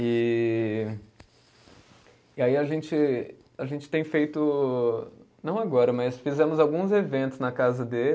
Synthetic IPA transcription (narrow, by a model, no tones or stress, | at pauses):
ɪ | ɪaiɐʒẽnt͡ʃɪ | aʒẽnt͡ʃɪ̥t̪ẽj̃fejt̪ʊ | nɐ̃w̃aɡɔɾɐmɐsfizɛ̃mʊzawɡũzevẽnt̪ʊznɐkazɐd̪e